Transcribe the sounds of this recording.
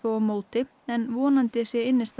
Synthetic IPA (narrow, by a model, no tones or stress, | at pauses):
oːɔmoːwt̪ɪ | ɛnvɔːnant̪ɪsjɛɪnːɪst̪